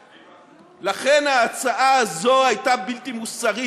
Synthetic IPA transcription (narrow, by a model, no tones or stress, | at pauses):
laχe̞naːt͡saʔaːzo̞ajtabiltimusaʁi